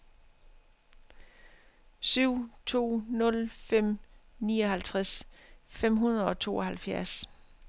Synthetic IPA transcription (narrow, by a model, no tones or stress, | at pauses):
syʊ̰t͡sʰo̝̰ːnɔ̽lfem̰nḭːɒ̽ɦælt͡sʰʁasfem̰ɦunð̩ˠɒ̽t͡sʰo̝̰ːɒ̽ɦælfjæɐs